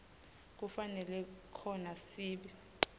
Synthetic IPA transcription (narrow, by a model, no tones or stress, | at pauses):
k̬ufanɛlɛkʰɔnasiːɓi